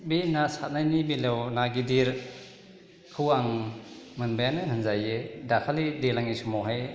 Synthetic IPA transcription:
binasat̚najnibilewnaɡidiɾ | kʰɯwaŋ | mɯnbajanɯɦɯnzajedakʰalidelaŋisumawɦaj

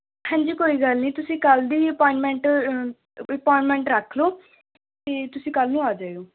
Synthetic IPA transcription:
hɛ̃ːɲd͡ʒiːkoːiːɡəlnĩːt̪ʊsĩːkəld̪iːəpɔːɪ̃ɳʈmɛ̃ɳʈ | əpɔːɪ̃ɳʈmɛ̃ːɳʈɾəkʰloː | t̪eːt̪ʊsĩːkəlnũːaːd͡ʒaːeoː

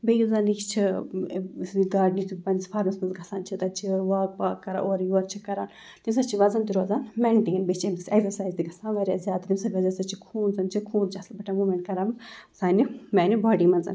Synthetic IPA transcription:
bejuzanikt͡ʃʰi | siɡaːɖnit̪upɐnispʰaːɾmɐsmɐnzɡʱɐsaːnt͡ʃʰit̪ɐt͡ʃʰiʋaːk̚paːkːɐɾa̰ʔoːɾjuɐɾt͡ʃʰikɐɾaːn | t̪imsɐt͡ʃʰiʋɐzɐnt̪iɾoːzaːnmɛɳʈinbet͡ʃʰemisʲeksɐɾsaːjzt̪iɡɐsãːʋɐɾʲjaːzʲjaːd̪t̪imsɐbɐzansɐt͡ʃʰikʰuːnzɐnt͡ʃʰikʰuːnt͡ʃʰiɐsbɐʈʰamumẽɳʈ̚kɐɾamsaːnimɛːnibaːɖimɐnzɐ̰n

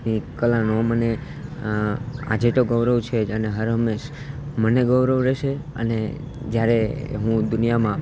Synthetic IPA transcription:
nikəlanoməne | a̰d͡ʒet̪oɡəʋɾəʋt͡ʃʰed͡ʒəneɦəɾɦəmeʃ | məneɡəʋɾəʋɾɛʃeə̰ne | d͡ʒjaɾeɦũd̪ʊnijamã

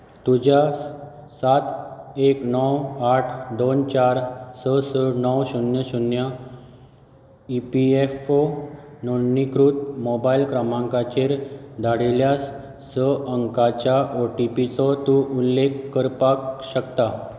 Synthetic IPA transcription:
t̪ud͡ʑa | sat̪eknɔwaʈʰd̪ont͡ɕaɾsəsənɔwɕunjəɕunjə | ipiefononikɾut̪̚mɔbailkɾamãŋkat͡ɕeɾd̪ʱaɽeljas | səəŋkat͡ɕjaʔoʈipit͡sɔt̪uʔulːekːəɾpakɕəkt̪a

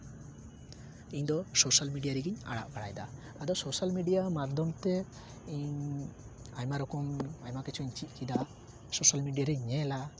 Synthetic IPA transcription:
iɲd̪ɔsosalmiɖijaɾiɡiɲa̰ɽa̰ʔbaɽajd̪aː | d̪ɔsosalmiɖijamad̪ʱɔmt̪ɛ | iɲ | ajmaɾɔkɔmajmakɛt͡ʃʰɔiɲt͡ʃit̪̚kid̪a | sosalmiɖijaɾɛiɲɛla

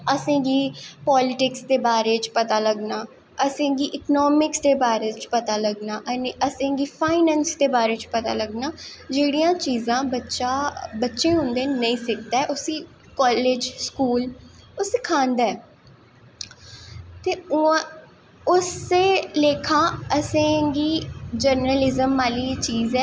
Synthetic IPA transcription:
əsẽːɡiːpɔːlɪʈɪksd̪eːbaːɾeːt͡ʃpət̪aːləɡnaː | əsẽːɡiːʔɪknɔːmɪksd̪eːbaːɾeːt͡ʃpət̪aːləɡnaːʔəneəsẽːɡiːpʰaːɪnɛ̃ːnsd̪eːbaːɾeːt͡ʃpət̪a̰ːləɡnaːd͡ʒeːɽijãːt͡ʃiːzãːbətːʃaːbətːʃẽːɦʊ̃nd̪ẽːnəĩːsɪkʰd̪aɛʔʊsiː | kɔːleːd͡ʒskuːlʊsekʰãːnd̪aɛː | t̪eːʊ̃ | ʊseːleːkʰãːəsẽɡiːd͡ʒəɾnəlɪzəmːaːliːt͡ʃiːzɛː

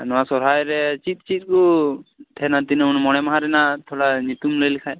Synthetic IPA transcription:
nɔwasɔɾɦajɾɛt͡ʃit̪̚t͡ʃit̪̚kut̪ʰɛnat̪inɛunmɔɽ̃ɛmaɦaɾɛnat̪ʰɔɽanit̪umlojlikʰaj

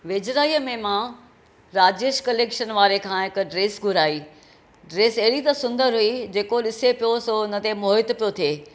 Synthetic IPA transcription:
ʋed͡ʑɾaːiːəmẽmã | ɾaːd͡ʑeːʃkɐleːkʃənʋaːɾekʰãːɦɪkɖɾeːsɡʱʊɾaːiː | ɖɾeːseɦɽit̪ɐsʊ̃nd̪əɾɦʊid͡ʑeːkoɗɪsepijosoʊnət̪emoɦɪt̪pijot̪ʰieː

